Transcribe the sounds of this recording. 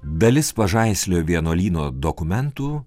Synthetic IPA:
d̪ɐlʲɪspɐʒɐɪsʲlʲoːʋʲiɛnoːlʲiːnoːd̪okʊmʲɛnt̪uː

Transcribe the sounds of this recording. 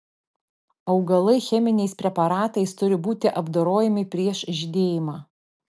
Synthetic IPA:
ɐʊɡɐlˠɐɪxʲɛmʲɪnʲɛɪspʲɾʲɛpɐɾɑːt̪ɐɪst̪ʊɾʲɪbuːt̪ʲɪʔɐbd̪oːɾoːjɛmʲɪpʲɾʲiɛʃʒʲɪd̪ʲeːjɪmɑː

